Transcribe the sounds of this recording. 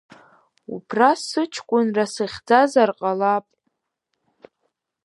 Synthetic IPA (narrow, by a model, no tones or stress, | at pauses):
ṵpʰrasɨt͡ʃʰkʷʼʊnrasɨχʲd͡zazarqʼalapʼ